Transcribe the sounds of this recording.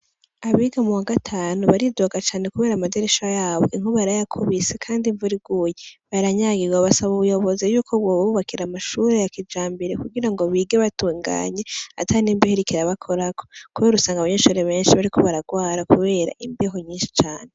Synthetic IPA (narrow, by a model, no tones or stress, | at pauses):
aβiːɡamuwaɡatʰaːnuβaɾidoɡat͡ʃaːne̞kuβe̞ːɾamade̞ɾeʃajaːβo̞ʔiŋ̥huβaɾajakʰuβise̞kʰaːndiɱvuɾiɡuːjeβaɾaɲaɡiɡwaβasaβuβujo̞βo̞zejuːkʰo̞βwoββuβakiɾamaʃuːɾe̞jakid͡ʒaːmbiɾekuɡiɾaŋɡo̞βiːɡeβatuːŋɡa̰ːɲe̞a̰tʰaniːmbiheɾikiɾaβakʰo̞ɾakʰo̞kuβeɾusaːŋɡaβaɲe̞ːʃuːɾe̞βe̞ːnʃiβaɾikʰo̞βaɾaɡwaːɾakuβe̞ːɾa̰ʔimbiɦo̞ɲiːnʃi̥t͡ʃaːne